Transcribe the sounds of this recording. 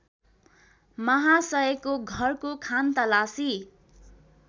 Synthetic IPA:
mʌɦasʌʌkːoɡʱʌrkokʰant̪ʌlasi

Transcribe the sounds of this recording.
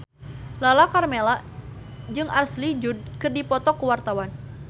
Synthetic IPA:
lalakarmela | d͡ʒɨŋʔarslid͡ʒud̚kɨrdipɔt̪ɔkəwart̪awan

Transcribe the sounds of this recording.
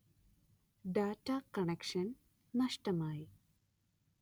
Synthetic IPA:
ɖaːʈakɐɳɛkʃɐnː | ɐʃʈɐmaj

